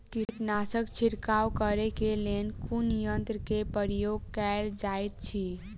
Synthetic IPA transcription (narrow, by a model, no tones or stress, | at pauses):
kiʈ̪nasəkt͡ʃʰiɾkawkəɾekelenkʰunjənt̪ɾəkepəɾijoɡkald͡ʒajt̪̚t͡ʃʰi